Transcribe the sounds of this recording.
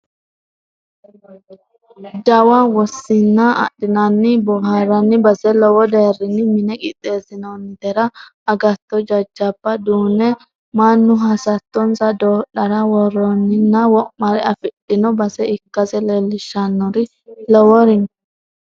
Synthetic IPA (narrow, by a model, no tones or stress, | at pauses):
d͡ʒɐwɐwɔsːɪnːɐ̰ːɗɪnɐnːɪbɔɦɐɾɐnːɪbɐsɛlɔwɔd̪eːrːɪnːɪmɪnɛkʼɪt̪ʼːe̞ːsɪnɔnt̪ɛɾɐɐɡɐt̪ːɔd͡ʒɐd͡ʒːɐbːɐd̪uːnɛ | mɐnːʊɦɐsɐt̪ːɔnsɐd̪oːɗɐɾɐwɔrɔnːɪnːɐwɔmːɐɾɛɐfɪɗɪnɔbɐsɛɪkːɐsɛlɛlːɪʃːɐnːɔɾɪ | lɔwɔɾɪn